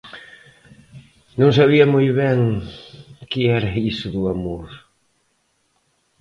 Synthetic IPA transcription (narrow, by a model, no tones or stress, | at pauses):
nõŋsaβiɐmojβɛŋ | kɪɛɾɐisʊðuamoɾ